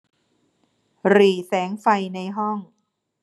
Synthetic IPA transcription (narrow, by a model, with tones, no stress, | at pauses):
ɾiː˨˩sɛː˩˦ŋfa˧jna˧jɦɔ˥˩ŋ